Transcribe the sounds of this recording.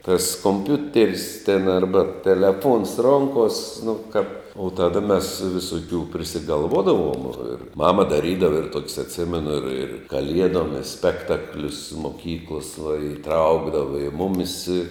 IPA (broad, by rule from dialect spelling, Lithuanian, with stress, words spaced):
tɐs koːmʲˈpʲʊtʲɛrʲsʲ tʲɛn ˈɐrbɐ tʲɛlʲɛˈfoːns ˈroːŋkoːsʲ nʊ kɐ oː ˈtɑːdɐ mʲɛs ʋʲɪsoːˈkʲuː pʲrʲɪsʲɪɡɐlˠˈʋoːdɐʋoːm ɪr ˈmɑːmɐ dɐˈrʲiːdɐʋɐ ɪr ˈtoːkʲɪs ɐtʲˈsʲɪmʲɛnʊ ɪr ɪr kɐˈlʲiɛdoːm ɪ ˈsʲpʲæːktɐklʲʊs moːˈkʲiːklˠoːs ʋɐ ɪˈtrɐʊɡdɐʋɐ ɪ ˈmʊmʲɪs ɪ